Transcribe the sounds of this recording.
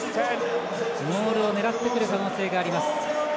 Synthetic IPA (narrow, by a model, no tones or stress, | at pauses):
mo̞ːɾɯ̟o̞ne̞ɾat̪ːe̞kɯɾɯ̟kano̞ːse̞ːɡaːɾʲimasɨ̥